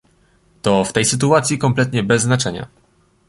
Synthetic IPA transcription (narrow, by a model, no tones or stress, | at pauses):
t̪ɔft̪ɛjsɘt̪uat̪sʲjikɔmplɛt̪ɲɛbɛzːnat͡ʂɛɲa̰